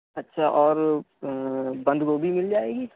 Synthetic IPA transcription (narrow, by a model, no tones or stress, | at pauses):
ɐtːʃʰaʔɔːɾ | bɐ̃nd̪kobʱimɪld͡ʒaːeːɡi